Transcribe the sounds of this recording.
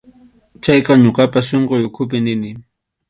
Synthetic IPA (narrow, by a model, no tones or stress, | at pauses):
t͡ʃajqɑɲoqɑpas̬ʃoɴqojʊkʰʊp̬ɪnɪnɪ